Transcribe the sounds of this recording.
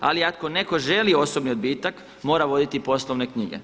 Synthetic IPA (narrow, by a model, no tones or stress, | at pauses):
a̰liako̞ne̞koʒe̞lio̞so̞bniod̪biːt̪ak | mo̞ːɾaʋo̞d̪it̪ipo̞slˠoʋne̞kɲiɡḛ